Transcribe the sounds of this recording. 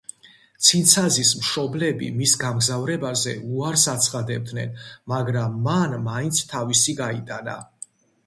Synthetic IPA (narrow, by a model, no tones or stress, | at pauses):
t̪sʰint̪sʰazismʃɔblɛbḭmisɡamɡzavɾɛbazɛ̰uaɾsat̪sʰχad̪ɛb̚d̪nɛ̰nmaɡɾamːanːaint̪sʰt̪ʰavisiɡait̪ʼana̰